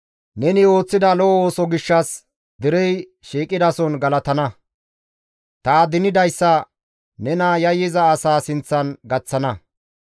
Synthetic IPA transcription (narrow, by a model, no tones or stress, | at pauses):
nɛnɪo̞ːt͡sːɪd̪ɐlɔo̞ːsɔɡɪʃːɐs | d̪ɪɾɛj | ʃiːkʼːɪd̪ɐsɔnɡɐlɐt̪ɐnɐ | t̪aːd̪ɪnɪd̪ɐjsːɐ | nɛnɐjɐjːɪzɐːsaːsɪnt͡sːɐnɡɐt͡sːɐnɐ